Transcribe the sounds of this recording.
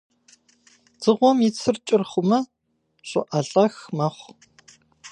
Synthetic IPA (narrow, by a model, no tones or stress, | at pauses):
d͡zɨʁʷɔmit͡sʰɨrt͡ʃʼɪrχʷʊmɐ | ɕʷʼʊʔɐɮʼɐxmɐχʷ